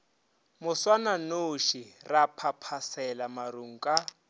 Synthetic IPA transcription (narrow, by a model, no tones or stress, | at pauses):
mʊswananoʃirapʰapʰasɛlamaɾuŋ̩kʼa